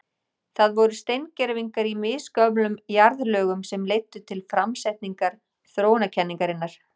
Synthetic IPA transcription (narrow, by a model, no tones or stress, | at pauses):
θaðvɔɾʏst̪ejncɛɾviŋkaɾimɪːskœplʏmjaɾðlœːɣʏmsɛmlejt̪ːʏt̪ʰɪlfɾamsɛjht̪niŋkaɾ̥ | θɾoːwnacʰɛnːiŋkaɾɪnːaɾ̥